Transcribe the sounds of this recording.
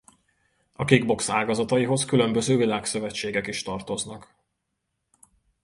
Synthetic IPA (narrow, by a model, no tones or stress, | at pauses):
ɒkiɡbo̞ksaːɡɒzɒt̪ɒjiɦo̞skylø̞mbø̞zøːvilaːksøvɛt͡ʃːeːɡɛkiʃt̪ɒrt̪o̞znɒk